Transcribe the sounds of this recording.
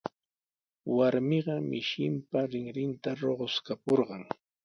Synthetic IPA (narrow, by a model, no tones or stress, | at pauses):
waɾmɪɢɑmɪʃɪmpaɾɪŋɾɪnt̪aɾoɢoskapoɾɢɑŋ